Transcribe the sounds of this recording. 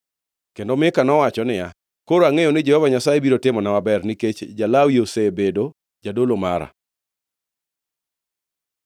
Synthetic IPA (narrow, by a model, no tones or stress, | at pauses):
kendomɪkanɔwat͡ʃɔnɪja | koɾoaŋejonɪd͡ʒɛhɔvaɲasajebiɾotɪmɔnawabɛrniket͡ʃd͡ʒalawiosebedo | d͡ʒadolomaɾa̰